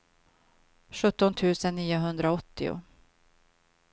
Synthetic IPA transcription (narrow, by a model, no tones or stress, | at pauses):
ɧɵt̪ːɔnt̪ʰʉ̟ːsənːiːʊɦɵnd̪ɾaɔt̪ːɪ̰ʊ̰